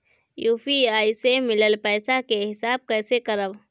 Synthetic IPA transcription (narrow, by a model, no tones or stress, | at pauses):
jupʰiaːisemɪləlpɛːsakeɦɪsaːb̚kəɪsekəɾəb